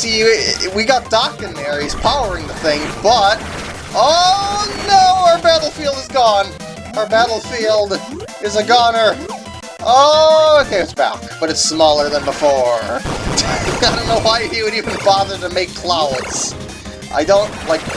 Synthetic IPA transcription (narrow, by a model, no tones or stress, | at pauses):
siwiɡɑt̚d̥ɑkɨ̃nðə˞iz̥pʰaʊə˞ɪ̃ŋðɨθɪ̃ŋb̥ʌt̚ | oʊnoʊə˞bæɾl̩ˠfilˠdəzɡɔ̃n | ə˞bæɾl̩ˠfilˠd | ɨzəɡɑ̃nə˞ | ooʊkʰeɪɨtsb̥æ̰kb̥ʌɾɨtsmɔlˠə˞ðə̃nbəfɔɹ | aɪɾõʊ̃nːoʊwaɪiwɨɾivɨ̃nbɑðə˞ɾɨmeɪkʰl̥aʊəts | ʔa̰ɪdõʊ̃ntlaɪk̚